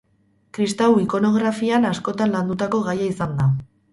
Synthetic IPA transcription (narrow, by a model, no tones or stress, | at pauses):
kɾist̪awiko̞no̞ɣɾafianasko̞t̪anland̪ut̪ako̞ɣajaisand̪a